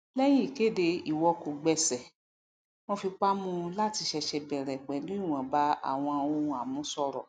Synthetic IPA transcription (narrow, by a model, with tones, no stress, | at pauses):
lɛ˦ji˦˨ke˦de˧i˦˨wɔ˧ko˨ɡ͡bɛ˧sɛ˨ | mɔ̃˧fi˧k͡pa˦mũ˦˧la˦ti˧ʃɛ˧ʃɛ˧bɛ˨ɾɛ˨k͡pɛ˨˦lu˦i˦˨w̃ã˨ba˨˦a̰˦˨w̃ɔ̃˧o˧ũ˧a˨mũ˨˦sɔ˧ɾɔ̰˨